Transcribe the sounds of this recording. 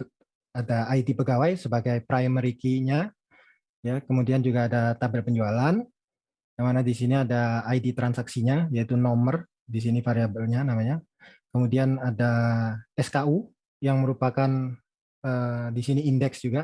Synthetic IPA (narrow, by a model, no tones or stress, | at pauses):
adaːjdipəɡawajsəbaɡajpɾajəməɾikiɲa | jakəmudiand͡ʒuɡaːdat̪abərpəɲd͡ʒualan | namanadisiniadaːidit̪ɾansaksiɲajait̪unɔmər | dis̬inifaɾiabəlɲanamaɲa | kəmudianadaɛskau | jaŋməɾupakan | ədisiniːndɛksd͡ʒuɡa